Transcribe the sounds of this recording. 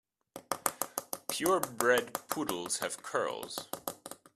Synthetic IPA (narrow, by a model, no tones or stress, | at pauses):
pʰj̥ʊɹbɹɛd̚pʰuɾl̩ˠz̥ɨv̥kʰɜ̰˞lˠz̥